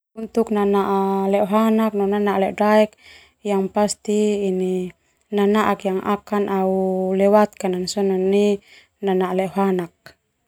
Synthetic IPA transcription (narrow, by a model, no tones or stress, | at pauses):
unt̪uknanaʔalɛʔɦanak̚nɔnanaʔlɛʔdaɛk̚ | jaŋpast̪iːni | nanaʔakjaŋʔa̰kanʔaulɛwat̪̚kanansɔnɔnːi | nanaʔlɛʔɦanak̚